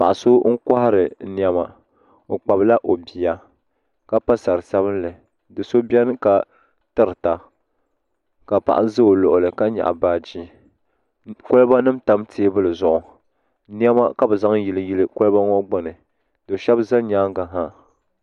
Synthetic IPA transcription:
pa̰˨ʔa˨so˦ŋ̩˦ka˦ha˦ɾɨ˨ni˨ɛ˦ma˨ | ŋ̩˨k͡pa˨bla˦ʔo˨bi˨ja˨ | ka˦pa˦sa˨ɾɨ˨sa˦βɨ˦nlɨ˨ | dɨ˨so˦bɛ˦n˦ka˨ | tɨ˦ɾɨ˨ta˨ | ka˨pa̰˨ʔa˨˦zɨ˦o˨lo˨ʔʊ˨lɨ˨ka˦ɲa̰˨ʔa̰˨baː˦d͡ʒi˦ | kʊ˦lɨ˦ba˦nɨ˦mta˦mtʰeː˦bɨ˦lɨ˨zʊ˨ʔʊ˨ | n˦ɛ˦ma˦ka˦bɛ˨za˦ŋji˨lɨ˦ji˦lɨ˦kʊ˦lɨ˦ba˦ŋɔ˦ɡ͡ba˦nɨ˨ | do˨ʃɛ˦bza˦ɲaː˦ŋ˦ɡa˨ɦa˦

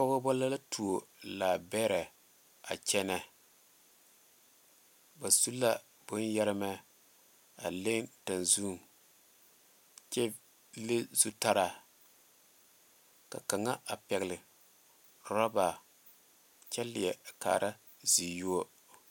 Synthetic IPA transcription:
pɔ˦ɣo˦bɔ˦la˦la˦tu˨o˨la˨bɛː˦ɾɛ˨ | a̰˨t͡ʃɛ˦nɛ˦ | ba˨su˦la˦ | bʊ˦njɛ˦ɾɪ˦mɛ˦ | a̰˨le˦nta˨nzu˦˨m | t͡ʃɛ˦ | le˦zu˦ta˦ɾa˨ | ka̰˨ka˨ŋa˦a˨pɛ˨ɡɪ˨lɪ˨ | ɾɔ˦ba˨ | t͡ʃɛ˦lɪ˨ɛ˨ka̰ː˨ɾa˦ | zi˨ju˦o˦

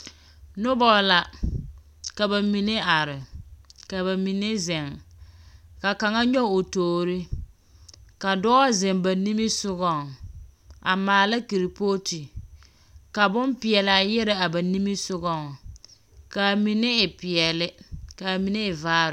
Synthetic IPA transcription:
nʊ˦bɔ˦la˨ | ka˨ba˨mi˨ne˦a˨ɾɪ˨ka˨ba˨mi˨ne˦zɪ˨ŋ | ka˨ka˨ŋa˦ɲɔ˦o˨toː˨ɾi˦ | ka˨dɔ˦zɪ˨ŋba˨ni˦mi˦sʊ˦ɣɔ˨ŋ | a˨maː˨la˦ki˨ɾi˨po˦ti˨ | ka˨bʊ˦npɪ˨ɛ˨lɪ˨a˨jɛ˦ɾɪ˦a˨ba˨ni˦mi˦sʊ˦ɡɔ˦ŋ | ka˨mi˨nɪ˦ɪ˨pɪ˨ɛ˨lɪ˦ka˨mi˨ne˦ɪ˨vaː˦ɾ

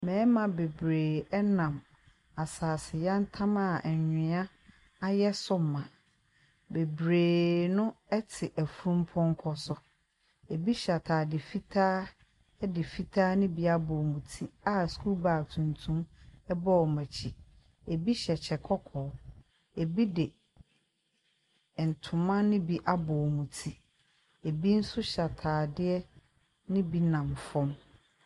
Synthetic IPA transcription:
mɛ̃ː˨˦mã˨be˨bɾeː˨ɛ˦nã˨m | a˨saː˨sɪ˨ja˦n̩˦tʰã˦ma˦˨ɛ˨ɲᶣɪ̃˨˦a˦ | a˦jɛ˦sʊ˦m˨mã˨ | be˨bɾeː˨nʊ̃˦ɛ˦tʰɪ˨ʔæ˨fu˦ɾũ˦m˦pʰɔ̃˦ŋ˦kʰɔ˦sʊ˨ | e˨bi˦ɕa˨tʰaː˨dɪ˨fi˦tʰaː˦ | ɛ˦dɪ˨fi˦tʰaː˦nɪ̃˦bi˨a˦bɔ˨mũ˨tʰi˦a˦˨skʰu˦baː˨tʰũ˨ntʰũ˦mɛ˦bɔ˦ɔ˨mæ̃˨t͡ɕʰi˨ | e˨bi˦ɕɛ˨t͡ɕʰɛ˨kʰɔ˦kʰɔː˨˦ | e˨bi˦dɪ˨ | n̩˨tʰʊ̃˨mã˦nɪ̃˦bi˦ʔa˦bɔ˨mũ˨tʰi˦ | e˨bi˦n̩˦sʊ˦ɕa˨tʰaː˨dɪ˦ɛ˦ | nɪ̃˦bi˦nã˨mfɔ̃˦m

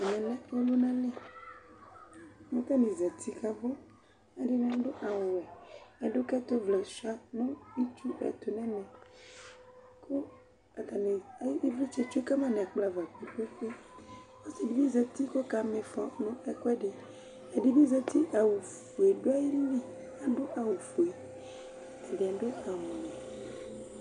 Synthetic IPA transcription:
nɛ̃˨lɛ̃˦o˦lo˦nã˦lɛ̃˦ | mẽ˦t̪a˦nĩ˨zɛ˨t̪i˦ka˨vɔ˦ | e˦ɖe˦nã˨˦ɖo˦ʔa˨wwɛ˨e˦ɖo˦kɛ˦t̪o˦vlɛ˨sa˦nũ˦i˦t͡ʃu˦ʔɛ̰˨t̪o˨nɛ̃˦nɛ̃˨ | ko˦ | a˨t̪a˨ne˨a˨˦ji˦vi˦t͡ʃe˦t͡ʃu˦e˦ka˦mã˦nɛ̃˨k͡pla˨va˨k͡pi˨k͡pe˦ɸe˦ | o˦si˨di˨bĩ˦zɛ˨t̪i˦ko˦ka˨mẽ˨fɔ̃˨nũ˦e˦ko˦ɛ˦ɖe˨ | e˨ɖi˨bĩ˦zɛ˨t̪i˦ʔa˨wu˨ | fu˨e˨ɖo˦a˦ji˦li˦ | a˨ɖo˦ʔa˨wu˨fu˨e˨ | de˨a˨ɖo˦a˨mũ˨nɛ˨

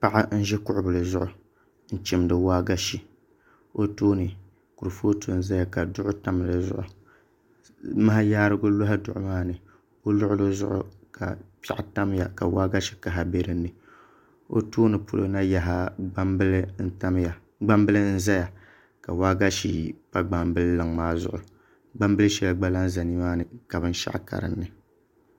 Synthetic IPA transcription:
pa˦ʔa˦n̩˦ʒɛ˦kʊ˦ʔʊ˦bɨ˨lɨ˨zʊ˦ʔʊ˨ | n̩˦t͡ʃi˨m˦dɨ˨waː˦ɡa˦ʃi˨ | o˦toː˦nɨ˨ | ku˨ɾɨ˨fo˦to˦n̩˦za˦ja˨ka˨dʊ˦ʔʊ˦ta˦m˨lɨ˨zʊ̰˦ʔʊ˨ | ma˦ha˦jaː˦ɾɨ˦ɡʊ˦lo˦ɦa˦dʊ˨ʔʊ̰˨˦maː˦nɨ˨ | o˦lʊ˦ʔʊ˦lo˦zʊ̰˦ʔʊ̰˦ka̰˨pḭ˦ʔa˨ta˦m˦ja˨ka˨waː˦ɡa˦ʃi̥˨ka˨ɦa˨be˦ɾɨ˦nːɨ˨ | o̰˦toː˦nɨ˨pʰo˨lo̰˦na˦ja˨ɦa˦la˦ma˨ | ɡ͡ba˦mbɨ˦lɨ˦n̩˦za˦ja˨ | ka̰˨waː˦ɡa˦ʃi˨pa˦ɡ͡ba˨mbɨ˦llɨ˨ŋmaː˦zʊ̰˦ʔʊ˨ | ɡ͡ba˦mbɨ˦lɨ˦ʃɛ˦lɡ͡ba˦la˦nza˨ni˦maː˦nɨ˨ka˨bɨ˦n˦ʃa̰˦ʔka̰˨ɾɨ̰˨nːɨ˨

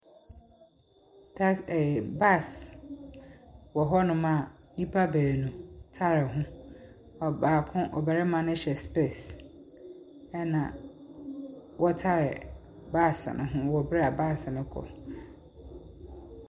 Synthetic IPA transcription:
tʰa˦ɛ˨ba˦˨s | wɔ˨ɦɔ˦nʊ̃˦mã˦˨nĩ˦pʰa˦bɛ˨nũ˨tʰa˦ɾɪ˨ɦʊ̃˦ | ɔ˨baː˨kʰʊ̃˦ʔɔ˨bɛ˨ɾɛ˦mã˦nʊ̃˦ɕɛ˨spe˦˨s | ɛ˦nã˨ | wʔɔ˦tʰa˦ɾɪ˨ | ba˦˨snʔʊ̃˦ɦʊ̃˦wɔ˨bɪ˦ɾa˨ba˦˨snʊ̃˦kʰɔ̰˨

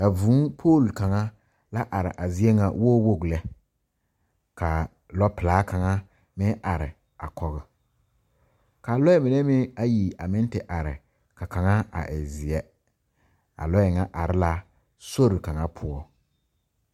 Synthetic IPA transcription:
ka˨vũ˨˦pʰoː˦˨lka˨ŋa˦ | la˦ʔa˨ɾɪ̰˨ʔa˨zɪ˨˦ɛ˦ŋa˨woː˦wo˦˨ɡlɛ˦ | ka˨ | lɔ˦pɪ˨laː˨˦ka˨ŋa˦ | mɪ˦a˨ɾɪ̰˨ | a̰˨kɔ˦ɣɛ˨ | ka˨lɔ˦ɛ˦mɪ˨nɛ˦mɪ˦a˦ji˨a˨mɪ̃˦n˦tɪ˨ʔa˨ɾɪ̰˨ | ka˨ka˨ŋa˦a̰˨ʔɪ̰˨zɪ˨ɛ˦ | a̰˨lɔ˦jɛ˨ŋa˦ʔa˨ɾɪ˦la˦ | so˦ɾɪ˨ka˨ŋa˦pʰʊ˨ɔ˦

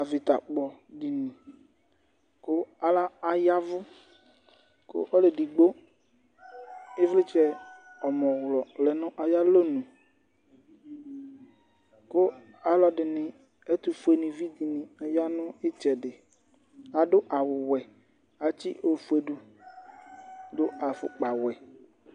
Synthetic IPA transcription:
a˨vɪ˨t̪a̰˨k͡pɔ˨ɖi˨nɪ̃˨ | kʊ˦a˨la˦a˨ja˦vʊ˦ | kʊ̰˦ʔɔ˦le˨di˨ɡ͡bo˦ | ɪ˦vlɪ˦t͡ʃɛ˦ɔ˨mɔ̃˨wlɔ˨lɛ˨nʊ̃˦ʔa˨ja˦lo˦nũ˨ | kʊ˦ | a˨˦lɔ˦ɖɪ˨nɪ̃˨ | e˦t̪u˨fu˨e˨nɪ̃˨vi˦d̪i˨nɪ̃˨a˨ja˦nʊ̃˦ɪ˦t͡ʃɛ˨ɖɪ˨ | a˨dʊ˦ʔa˨wʊ˨wɛ˨ | a˨t͡ʃḭ˦ʔo˨fu˦e˨ɖu˦ | dʊ˦a˨fʊ̰˨k͡pa˨wɛ˨

